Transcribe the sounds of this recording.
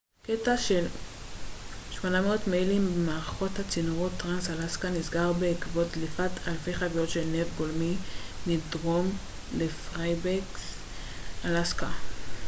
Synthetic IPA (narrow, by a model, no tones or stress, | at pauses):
ketaʃe̞l | ʃmo̞nameotmejlimbemaːʁaχo̞that͡sinoʁo̞tːʁansalaskanizɡaʁbeikvo̞tlifatʰalfeχavijo̞tʃelnevɡolminidʁo̞m | lefʁajbek | alaska